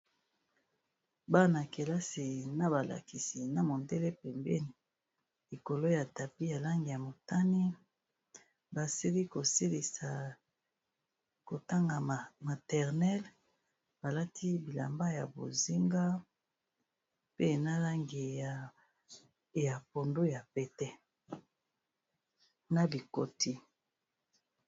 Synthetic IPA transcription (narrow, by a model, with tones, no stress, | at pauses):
ba˦na˨ke˨la˦si˨na˦ba˨la̰˨ki˨si˨na˨mo˨nde˦le˦pɛ˨mbɛ˦ni˨ | i˨ko˨lo˦ja˨ta˨pi˦ja˨la˦ŋɡi˨ja˨mo˨ta˦ni˦ | ba˨si˦li˦ko˨si˦li˨sa˨ | ko˨ta˦ŋɡa˨ma˨tɛ˨ʁnɛ˦l | b̥a˨la˦tʰi˦bi˨la̰˨mba˦ja˨bo̰˨zi˦ŋɡa˦ | pe˦na˦la˦ŋɡi˨ | ja˨po˨ndo˦ja˨pɛ˨tɛ˦ | na˨bi˨ko˨ti˦